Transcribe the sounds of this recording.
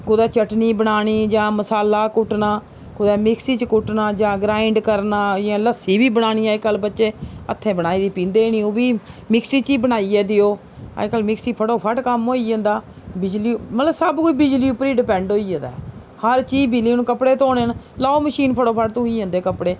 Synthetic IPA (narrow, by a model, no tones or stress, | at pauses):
kʊd̪ɛːt͡ʃəʈniːbəɽaːɽ̃iːd͡ʒãːməsaːlaːkʊʈnaː | kʊd̪ɛːmɪksiːt͡ʃkʊʈnãːd͡ʒãːɡɾaːɪɳɖkəɾnaːãːləsiːbiːbəɽaːɽ̃iːaːkəlbətːʃeːə̰t̪ʰːẽːbəɽ̃aːiːd̪iːpĩːnd̪eːnĩːoːbiːmɪksiːt͡ʃiːbənaːiːɛːd̪ɪjoː | a̰kəlmɪksiːpʰəɽoːpʰəʈkəmɦoːiːə̃ːnd̪aː | bɪd͡ʒliːmət̪ləbsəbkoːiːbɪd͡ʒliːʊpɾiːɖɪpɛ̃ːɳɖoːiːd͡ʒə̃ːnd̪a̰ː | həɾt͡ʃiːbɪliːnũːkəpɽeːt̪oːneːn | laːoːməʃiːnpʰəɽoːpʰəʈ̚t̪oiːə̃ːnd̪eːkəpɽeː